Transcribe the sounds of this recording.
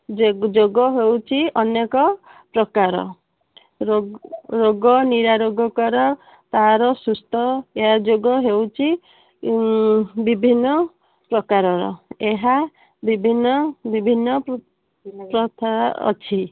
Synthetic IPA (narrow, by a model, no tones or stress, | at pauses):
d͡ʒd͡ʒoɡɔɦewt͡ʃʰiɔnekɔpɾɔkaɾɔ̰ | ɾoɾoɡɔniɾaɾoɡɔkɔɾɔ | t̪aɦaɾɔsust̪ʰɔeɦad͡ʒoɡɔɦewt͡ʃʰi | bibʱinːɔ | pɾɔkaɾɔɾɔ̰eɦa | bibʱinːɔbibʱinːɔ | pɾɔt̪ʰaɔ̰t͡ʃʰi